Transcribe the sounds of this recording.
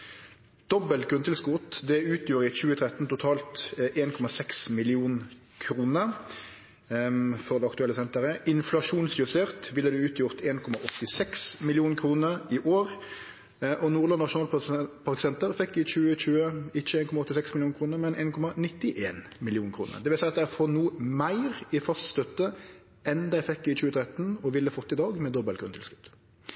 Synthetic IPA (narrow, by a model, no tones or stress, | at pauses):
d̪̥ɔbəlt̪̚ɡʁʉnt̪ʰɪlskʊt̪d̪ɛʉːt̪juːɾəɪt͡ʃʉːət̪ʰʁɛt̪n̩t̪ʊt̪ʰɑːlt̪ʔeːnkʰɔmɑsɛksmɪlɪuːn | kʰɾuːnə | fɔʁd̪ɛɑkt̪ʉɛlːəsɛnt̪əʁəʔɪnflɑʂuːnsjʉst̪eːʁt̪ʋɪlːəd̪ʉʉːt̪ʰjʊʁt̪eːnkʰɔmɑʔɔt̪ːɪsɛksmɪlɪjuːnkʰʁuːnəʁɪʔoːʁ | ʔɔnuːʁlɑnnɑʂʊnɑːlpʰɑʁkɪsɛnt̪əʁfɛkːɪt͡ʃʉːəɕʉːəɪt͡ʃːəeːnkʰɔmɑɔt̪ːɪsɛksmɪlɪuːnkʰʁuːnəʁmɛnʔeːnkʰɔmɑnɪt̪ːɪʔeːn | mɪlɪjuːnkʰɾṵːnə̰ʁd̪ɛʋɪlsæɪɑt̪d̪ææfɔʁnuːmæɪʁɪfɑst̪st̪œt̪ːə | ʔɛnd̪æɪfɛkːɪt͡ʃʉːət̪ʰɾɛt̪ːn̩ɔʋɪlːəfɔt̪ːɪd̪ɑːɡmɛd̪ɔbəlkʰɾʉnt̪ʰɪlskʉ̥t̪ː